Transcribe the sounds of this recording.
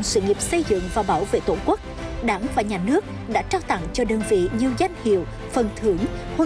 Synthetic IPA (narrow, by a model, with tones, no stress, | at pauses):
sɨ̰˧ŋi˨˩əp̚sə˧jzɨ̰˧˨ŋvaː˨˩ɓaː˨˧˦wvḛ˧˨t̪o˧˩kwə˦˥k̚ɗaː˨˩˦ŋvaː˨˩ɲaː˨˩nɨ˦˥ək̚ | ɗa̰ː˧˥t͡ɕaː˧wt̪a̰˧˨ŋt͡ɕɔ˧ɗəː˧nvḭ˧˨ɲi˨˩əwza˧jŋ̟hḭ˧˨əw | fə˨˩nt̪ʰɨ˨˦əŋho˧